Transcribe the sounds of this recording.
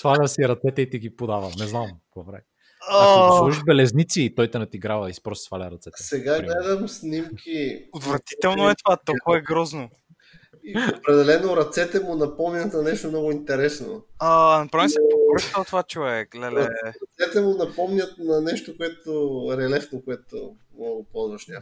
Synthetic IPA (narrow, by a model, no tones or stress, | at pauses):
sfalʲɐsiɾɐt̪sɛt̪ɛit̪iɡipod̪avɐnɛznamvɐvɾɛ̰ | asuʃiʒbɛlɛznit̪siːt̪ɔjt̪ɛnɐt̪iɡɾavɐisi̥pɾɔst̪sfalʲəɾɐt̪sɛt̪sɛɡaɡlɛd̪ɐmsnimkʰʲiot̪vɾɐt̪i̥t̪ɛlˠnoɛt̪ovat̪olˠkʊvɐɛɡɾɔzno | iopɾɛd̪ɛlɛnoɾɐt̪sɛt̪ɛmʊnɐpɔmnʲɐt̪nɐnɛʃt̪omnɔɡʊint̪ɛɾɛsno̰anɐpɾavisɛbɾʃt̪əlˠt̪ovat͡ʃovɛkɡlɛlɛɐt̪sɛt̪ɛmʊnɐpɔmnʲɐt̪̚nɐnɛʃt̪okʊɛt̪ʊɾɛlɛfnokoɛt̪ʊ̰mnɔɡʊpɔzvɐʃnʲa